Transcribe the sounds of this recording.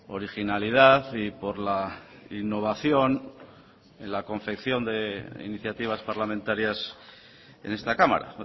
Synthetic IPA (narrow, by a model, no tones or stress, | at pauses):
o̞ɾixinalið̞aθipo̞ɾlainːo̞β̞aθjo̞n | enlako̞ɱfe̞kθjo̞nd̪e̞ḭniθjat̪iβ̞aspaɾlamẽnt̪aɾjas | e̞̰ne̞st̪akama̰ɾa̰